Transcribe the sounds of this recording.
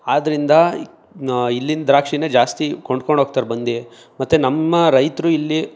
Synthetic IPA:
aːd̪ɐɾind̪ɐ | ilːind̪ɾaːkʂined͡ʒaːst̪iko̞ɳɖkoɳɖʱoːɡ̚t̪aːɾbɐnd̪i | mɐt̪ːenɐmːɐɾɐjt̪ɾuilːi

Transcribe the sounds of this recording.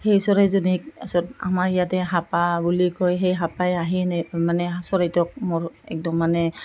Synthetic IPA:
hejsɔɹajzɔnik̚asɔta̰maɹijatɛɦapabulikʰɔjɦejɦapajaɦinmanɛsɔɹajtɔk̚mɔɹɛ̰k̚dɔmːanɛ

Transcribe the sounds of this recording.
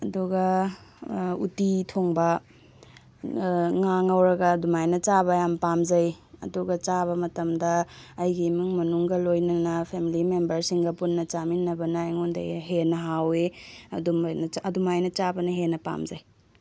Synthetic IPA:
ɐduɡɐ | ṵtitʰoŋbɐ | ŋaŋɐwɾɐɡɐdumajnɐt͡ʃabɐjampamzɐjɐ̰duɡɐt͡ʃaβɐmɐtɐmdɐːjɡimuŋmɐnuŋɡɐlojnɐnɐpʰemilimembɐɾsiŋɡɐpunːɐt͡ʃaminːɐbɐnɐːjŋundɐ̰jɦenɐɦawedumnɐɐdumajnɐt͡ʃabɐnɐɦenɐpa̰mzɐj

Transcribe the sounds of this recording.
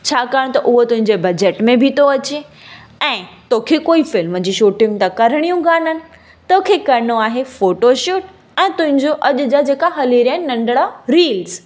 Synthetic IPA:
t͡ɕʰaːkaːɽ̃t̪ɐʔʊɦot̪ʊɦɪ̃ɲd͡ʑebɐd͡ʑeʈmẽbʱɪt̪ʰoɐt͡ɕeɛ̃ːt̪oːkʰekoːifɪlmd͡ʑiːʃuːʈɪ̃ŋt̪akɐɾɽ̃ijũɡaːnənɪ̆ | t̪oːkʰekɐɾɪnoaːɦefoːʈoʃuːʈ | ɛ̃ːt̪ʊ̃ɦɪ̃ɲd͡ʑoʔɐʄʊ̆d͡ʑad͡ʑeːkaɦɐliːɾaːɪnɪnɐ̃ɳɖɽaɾiːlz

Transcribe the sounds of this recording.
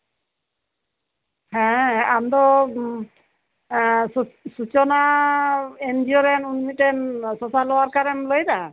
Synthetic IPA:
hɛ̃amd̪ɔ | sut͡ʃɔna | ɛnd͡ʒiɔɾɛnunmiʈɛnsɔsalɔwaɾkaɾɛmlojd̪a

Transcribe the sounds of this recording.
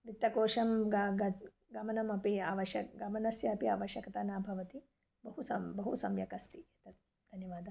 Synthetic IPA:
ʋit̪ːɐkoːʂɐmɡɐɡɐ | ɡɐmɐnɐmɐpiaːʋɐʃɐkɡɐmɐnɐsjɐɐpia̰ːʋɐʃjɐkɐt̪aːnaːbʱɐʋɐt̪i | bɐɦusɐmbɐɦusɐmjɐkɐst̪ijɐt̪ɐt̪̚ | d̪ʱɐnjɐʋaːd̪ʱɐ

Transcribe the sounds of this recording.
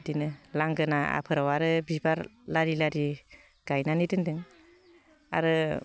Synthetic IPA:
dinɯlaŋɡɯnaa̰pʰɯɾawaɾɯbibaɾlaɾilaɾi | ɡ̥ajnanidɯndɯŋ | a̰ɾɯ

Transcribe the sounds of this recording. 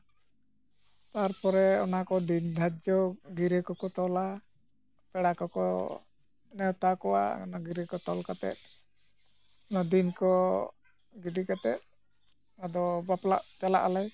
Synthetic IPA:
t̪aɾpɔɾɛɔnakɔdind̪ʱad͡ʒɔɡiɾɛkɔkɔt̪ɔla | pɛɽakɔkɔ̰ | nɛwt̪akɔwa̰ɔnaɡiɾɛkɔt̪ɔlkat̪ɛ̰t̪̚ | ɔnad̪inkɔ | ɡidikat̪ɛt̪̚ | ad̪ɔbapla̰ʔd͡ʒala̰ʔalɛj

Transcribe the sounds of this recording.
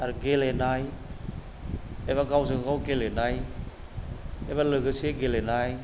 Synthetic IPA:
aɾɡelenaj | ebaɡawzɯɡaɡawɡelenaj | ebalɯɡɯseɡelenaj

